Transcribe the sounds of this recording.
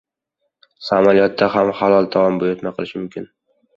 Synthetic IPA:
samalijɒt̪ːaɦamhalˠɒlˠd̪ʰavɒmbojɒt̪maqʰɨlˠɪʃmʊmkʲʰɪn

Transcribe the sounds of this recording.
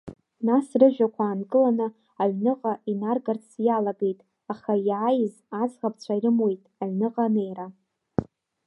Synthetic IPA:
nasrɨʒᶣakʷʰaːnkʼɨlanɨ | aɥnɨqʼainarɡart͡sʰjalaɡe̞jtʼ | aχajʕajz | ad͡zʁap̚ʰʼt͡ɕʷʰairɨmwejtʼaɥnɨqʼane̞jra

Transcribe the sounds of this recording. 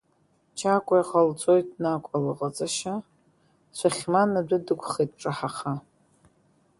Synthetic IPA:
t͡ʃʰakʷʼajaχalt͡sʷʼojtʼnakʷʼalɨqʼat͡sʼaʃa | sʷaχʲmanadʷʊdɨkʷʰʼχetʼʈ͡ʂʼɨħaχa

